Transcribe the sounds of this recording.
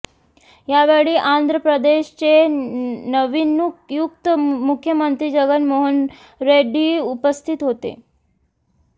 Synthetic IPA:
jaʋeɭiːʔand̪ʱɾəpɾəd̪eɕt͡se | nəʋinukjukt̪mukʰːjəmənt̪ɾiːd͡ʑəɡənmoɦən | ɾeɖiːupəst̪ʰit̪ɦot̪ḛ

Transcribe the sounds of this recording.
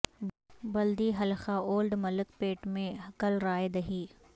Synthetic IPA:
bɐld̪iɦɐlxaoːlɖmɐləkpeːʈmẽkɐlɾaːed̪ɐɦiː

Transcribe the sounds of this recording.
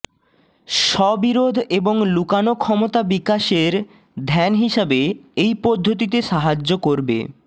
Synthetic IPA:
ʃɔbiɾod̪ʱeboŋlukanokʰɔmot̪abikaʃeɾ | d̪ʱɛnɦiʃabeejpɔd̪ʱːot̪̬it̪̬eʃaɦad͡ʑokoɾbḛ

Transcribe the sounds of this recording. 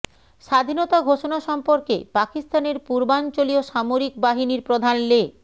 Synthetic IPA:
ʃad̪ʱinot̪aɡʱoʃonaʃɔmpoɾkḛpakist̪aneɾpuɾbant͡ɕolioʃamoɾik̚baɦiniɾpɾod̪ʱanle

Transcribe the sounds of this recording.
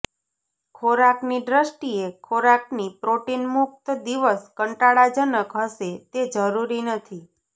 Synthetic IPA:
kʰoɾakniɖɾəsʈiekʰoɾaknipɾoʈinmuk̚t̪d̪iʋəskəɳʈaɽad͡ʒənəkɦəʃet̪ed͡ʒəɾuɾinət̪ʰi

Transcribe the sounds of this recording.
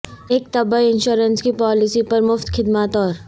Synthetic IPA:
eːk̚t̪ɐbəɪnʃoːɾənskipɔːlɪsipɐɾmʊft̪xʰɪd̪maːt̪ɔːɾ

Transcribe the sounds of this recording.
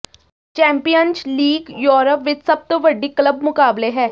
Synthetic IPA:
t͡ʃɛ̃ːmpijənd͡ʒliːɡjoːɾəpʋɪt͡ʃsəb̚t̪õːʋəɖːiːkləbmʊkaːbleɦɛː

